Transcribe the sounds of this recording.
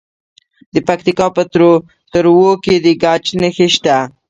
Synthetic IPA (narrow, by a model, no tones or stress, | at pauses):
d̪əpak̚t̪ikɑpət̪ɾo | t̪əɾwoked̪əɡat͡ʃnəxeʃt̪a